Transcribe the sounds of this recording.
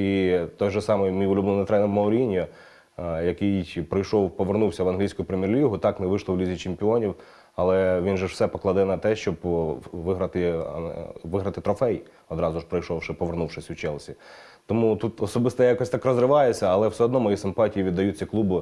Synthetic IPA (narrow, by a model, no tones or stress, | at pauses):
it̪ɔjʒɔsɑmɔjmʲijʊlʲubnɔnɪt̪ɾɛnɪmɐʊɾʲinʲjʊ | jɐkɪjpɾɪjʃɔwpɔʋernuwsʲɐʋɐnɦlʲijsʲkʊjʊpɾemʲirlʲiɦʊt̪ɑknɛʋɪʃlˠɔwlʲizʲit͡ʃɪmpʲiɔnʲiw | ɐlˠɛʋʲinʒɛw̥sɛpɔklˠɐd̪ɪnɐt̪ɛʃt͡ʃɔbʋɪɦɾɐt̪ɪ | ʋɪɦɾɐt̪ɪt̪ɾɔfɛj | ɔd̪ɾɑzʊʃpɾɐjʃɔwʃɪpɔʋernuwʃɪsʲwt͡ʃɛlˠsʲi | t̪ɔmut̪ut̪ɔsɔbɪst̪ɔjɑkɔsʲt̪ɑkɾɔzɾɪʋɑjet͡sʲːɐɐlˠɛwsɛɔd̪nɔmɔjisɪmpɑtʲijiʋʲid̪ːɐjut͡sʲːɐklˠubʊ